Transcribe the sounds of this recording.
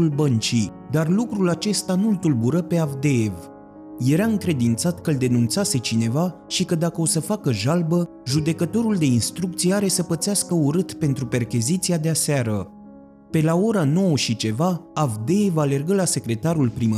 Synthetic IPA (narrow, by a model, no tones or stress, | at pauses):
ulbənt͡ʃij | d̪arlukɾulat͡ʃe̞st̪anult̪ulbuɾəpe̞avd̪e̞ev | je̞ɾaɨŋkɾe̞d̪int̪sat̪kəɨld̪e̞nunt̪sase̞t͡ʃine̞va | ʃikəd̪akəo̞səfakəʒalbə | ʒud̪e̞kət̪o̞ɾuld̪e̞inst̪ɾuk̚t̪sijeaɾe̞səpət̪seaskəuɾɨt̪pe̞nt̪ɾupe̞rkʲizit̪siad̪easeaɾə | pe̞lao̞ɾano̞wəʃit͡ʃe̞vaavd̪e̞evale̞rɡəlase̞kɾe̞t̪aɾulpɾimə